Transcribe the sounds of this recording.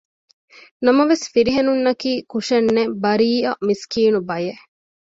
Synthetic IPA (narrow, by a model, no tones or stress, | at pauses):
nɐmɐʋesfiɾiɦenunːɐkiːkuʃɐnːebɐɾiːɐmiskiːnubɐje